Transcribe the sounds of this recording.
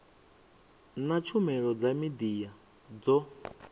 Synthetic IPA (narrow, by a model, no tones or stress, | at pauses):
nat͡ʃʰumɛɺɔd͡zamid̪ija | d͡zɔ